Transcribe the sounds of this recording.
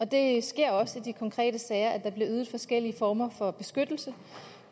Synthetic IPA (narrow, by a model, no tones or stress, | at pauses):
ɒ̽d̥e̝sɡ̥e̝ɐ̰ɒ̽səid̥ikʰɒ̽ŋkʰʁɛ̰ːd̥əsɛːɪɐʔæd̥ɑ̈b̥le̝yːð̩ˠfɒ̽sɡ̥el̰iəfɒːmɐfɒ̽b̥e̝sɡ̥ød̥l̩sə